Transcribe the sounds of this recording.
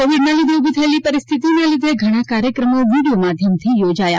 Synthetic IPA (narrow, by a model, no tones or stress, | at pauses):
koʋiɖnalid̪ʱeubʱit̪ʰəelipəɾɪst̪ʰit̪inalid̪ʱeɡʱəɽ̃akaɾjəkɾəmoʋiɽijomad̪ʱjəmt̪ʰijod͡ʒaja̰